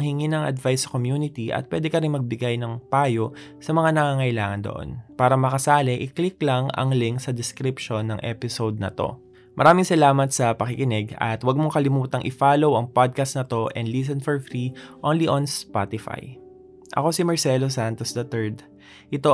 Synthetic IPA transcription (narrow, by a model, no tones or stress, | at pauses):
ŋhɪŋinɐŋʔɐ̰d̪vajsɐ̥komjuːnɪt̪iʔɐ̰t̪̚pwɛ̰ːd̪ɛkɐɾɪnmɐɡ̚bɪɡajnɐŋpaːjo̞ʔsɐmɐŋanɐŋaːŋɐʔɪlaːŋɐnd̪o̰ʔo̞̰npaːɾɐmɐkɐsaːlɛʔɪkliklɐŋɐ̰ŋlɪŋksɐd̪ɛskɾɪpʃo̞nːɐŋʔɛ̰pɪsowd̪̚nɐ̰t̪o̞̰ | mʔɐɾaːmɪŋsɐlaːmɐt̪̚sɐpɐkɪkɪnɛɡɐ̰t̪wɐɡ̚moŋkɐlɪmuːt̪ɐŋʔɪfaːlowɐŋpad̪̚kɐst̪nɐt̪o̞ʔɛ̰nd̪lis̬ɛnfɔɹfɾiʔonliʔonspa̰t̪ɪfa̰j | ʔɐ̰ko̞simɐɹsɛlosant̪osd̪ɐt̪ɛɹd̪ | ʔɪt̪o